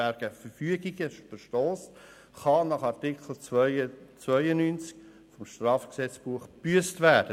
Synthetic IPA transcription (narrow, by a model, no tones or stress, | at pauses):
æɾɡ̥əfəɾfyəɡiɡəʃfəʃtɔːs | χɑnɑχɑɾtɪkχl̩ | t͡sʋœʏənynt͡sk | fɔmʃtrɑːfksɛt͡sb̥uəχb̥yəstʋæːd̥ə